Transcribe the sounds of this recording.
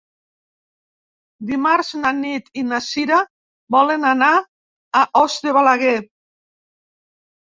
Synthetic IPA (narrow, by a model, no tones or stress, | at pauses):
d̪imaɾznanit̪inasiɾa | bɔlenanaː | ʔɔzd̪eβalaɣe